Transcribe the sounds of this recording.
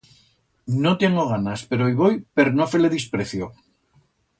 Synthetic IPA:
not̪eŋoɣ̞anaspe̞ɾoiβojpe̞ɾnofeleðispɾeθjo

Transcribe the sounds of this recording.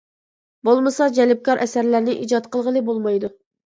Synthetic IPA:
bolˠmɨsɑd͡ʒɛlɪp̚kʰɑɾʔɛsæɾlæɾnɪʔid͡ʒɑt̪qəlˠʁəlˠɨbolˠmɑjd̪u

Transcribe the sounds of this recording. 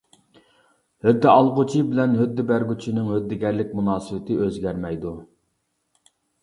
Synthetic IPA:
hød̪ːɪʔɑlˠʁʊt͡ʃʰibɪlɛnɦød̪ːɪbæɾɡʲyt͡ʃʰinɪŋɦød̪ːɪɡʲɛɾlɪk̚ʲmunɑːsɨwɪt̪ʰɪʔøzɡʲɛɾmɛjd̪u

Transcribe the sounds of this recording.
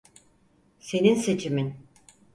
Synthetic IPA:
se̞ninse̞t͡ʃʰimin

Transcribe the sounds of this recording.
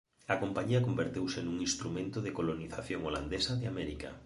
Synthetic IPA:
ɐkompaɲiɐkombeɾt̪ewsenuŋĩnst̪ɾumẽnt̪oðekoloniθaθjoŋoland̪esɐðɪamɛɾika̰

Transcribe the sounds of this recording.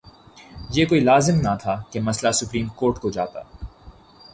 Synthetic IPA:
jeːkoːilaːzɪmnat̪ʰakemɐslasʊpɾiːmkoːɾʈkod͡ʒa̰ːt̪a̰ː

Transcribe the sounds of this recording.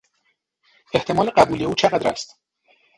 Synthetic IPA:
e̞ht̪ʰe̞mɒːle̞ɢæbuːlieuːt͡ʃʰeɣæd̪ɾæ̰st̪

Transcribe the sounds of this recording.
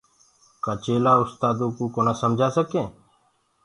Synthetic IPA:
kaːt͡ʃeːlaːʊst̪aːd̪õːkuːkoːnaːsəmd͡ʒʱaːsəkẽː

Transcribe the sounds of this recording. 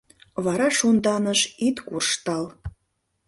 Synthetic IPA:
βɑɾɑʃund̪ɑnə̆ʃit̪kurʃt̪ɑl

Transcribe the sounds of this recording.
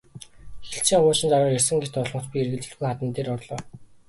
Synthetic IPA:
xeɬt͡ɕʰiːŋwʊːt͡ɕɪ̆nt͡s̪aɾaːrersɘ̆ŋɡet͡ɕt̪ʊɮmə̆t͡ɕpʲierɣɘ̆ɮt͡ɕɘ̆ɮujχat̪ə̆nt̪eːɾʊrɮʊː

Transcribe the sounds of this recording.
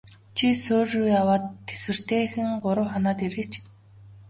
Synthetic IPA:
t͡ɕʰisoːrujawaːt̪ʰːe̥swɘ̆r̥t̪eːxɘ̆ŋɢʊɾʊ̆wχɔnɔːt̪iɾĕt͡ɕ

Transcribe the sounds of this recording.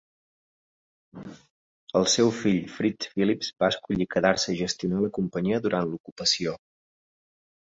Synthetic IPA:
əlˠsɛwfiʎfɾisfilipzbaəskuʎikəðaɾsəiʒəst̪iunaləkumpəɲiəðuɾʔant̪lukupəsio

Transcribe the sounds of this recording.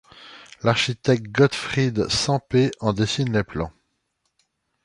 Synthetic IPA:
laʁʃit̪ɛk̚t̪̚ɡɔt̪fχid̪sɑ̃peɑ̃d̪esinleplɑ̃

